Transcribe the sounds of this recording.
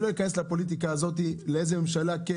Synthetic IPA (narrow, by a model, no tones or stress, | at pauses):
lo̞jikane̞slapo̞lit̪̬ikaːzo̞t̪̬ileejze̞memʃalake